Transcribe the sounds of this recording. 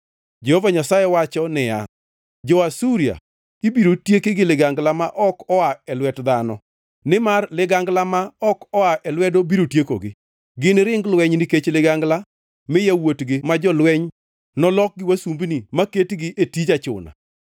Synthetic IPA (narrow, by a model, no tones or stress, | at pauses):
d͡ʒehovaɲasajɛwat͡ʃɔnɪja̰ | d͡ʒɔasuɾia̰ | ibiɾotjekɪɡɪlɪɡaŋɡlamaʔɔkɔaɛlwɛtd̪anɔ | nɪmarlɪɡaŋɡlamaɔkɔaʔɛlwɛdobiɾotjeko̰ɡɪ̰ | ɡɪnɾɪŋɡlwɛɲnɪket͡ʃlɪɡaŋɡla | mɪjawotɡɪmad͡ʒɔlwɛɲ | nɔlɔk̚ɡɪwasumbnimaketɡɪʔetid͡ʒat͡ʃʊ̰na̰